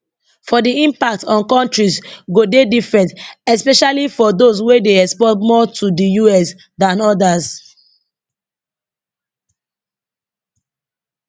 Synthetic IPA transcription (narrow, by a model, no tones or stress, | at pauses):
fɔdiĩmpak̚tɔ̃nkɔ̃ntɹisɡodedifɹɛ̃ntɛspɛʃalifɔdos̬wedeɛkspɔtmɔtʰudijuɛs | dãnɔdas